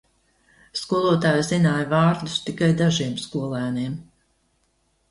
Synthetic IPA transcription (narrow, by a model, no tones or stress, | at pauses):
skuɔlˠuɔt̪aːjzinaːjvaːɾd̪ust̪ikajd̪aʒiɛmskuɔlˠæːniɛm